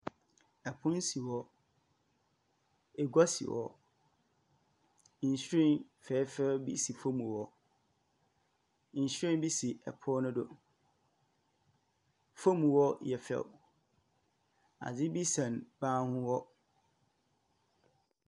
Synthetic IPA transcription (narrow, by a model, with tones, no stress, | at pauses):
ɛ˨pʰʊ̃˦n˦si˨wɔ˦ | e˨ɡa˦sḭ˨wɔ̰˨ | n̩˨ɕɾĩ˦˨nfɛː˨˦fɛ˦bḭ˦si˨fo˦mũ˨wɔ˨ | n̩˨ɕᶣĩ˦n˦bi˦si˨ɛ̰˨pʰɔ˦nʊ̃˦dʊ̰˦ | fo˦mũ˨wɔ˦jɛ˨fɛ̰˨w | a̰˨d͡zɪ˦bi˦sã˨nbaː˦hʊ̃˦wɔ˦